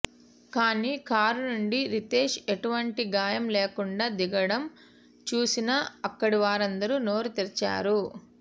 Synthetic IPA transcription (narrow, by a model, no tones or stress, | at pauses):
kaːniːkaːɾunuɳɖiɾit̪eːʂeʈuʋɐɳʈiɡaːjɐmleːkuɳɖaːd̪iɡɐɽɐm | t͡ʃuːsinɐɐkːɐɽiʋaːɾɐnd̪ɐɾunoːɾut̪iɾɐt͡ʃa̰ːɾu